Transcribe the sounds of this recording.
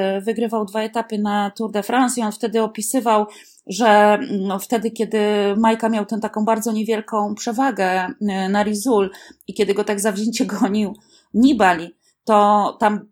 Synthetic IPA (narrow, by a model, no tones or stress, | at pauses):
vɘɡɾɘvawd̪vaɛt̪apɘnat̪uɾd̪ɛfɾansiɔnft̪ɛd̪ɘɔpʲisɘvaw | ʐɛft̪ɛd̪ɘkʲɛd̪ɘmajkamʲjawt̪ɛ̃t̪akɔ̃w̃baɾd̪zɔɲevʲjɛlkɔ̃w̃pʂɛvaɡɛnaɾʲizulikʲɛd̪ɘɡɔt̪aɡzavʑeɲt͡ɕɛɡɔɲiw | ɲibalʲi | t̪ɔt̪am